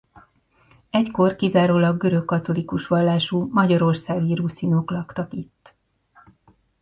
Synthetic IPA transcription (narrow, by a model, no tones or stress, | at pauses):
ɛcko̞rkizaːɾoːlɒɡːøɾø̞kːɒt̪o̞likuʃʋɒlːaːʃumɒɟɒɾo̞rsaːɡiɾusino̞klɒkt̪ɒkit̪ː